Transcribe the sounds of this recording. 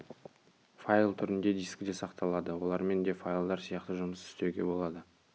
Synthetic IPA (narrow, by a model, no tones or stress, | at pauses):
failˠt̪ʰʏɾɪnd̪e̞d̪ijskʲɪd̪e̞sɑqt̪ɑlˠɑd̪əwo̞lˠɑɾme̞nd̪e̞fajlˠd̪ɑɾsijɑqt̪əʒʊməsɪst̪eɡʲe̞̰bo̞lˠɑd̪ə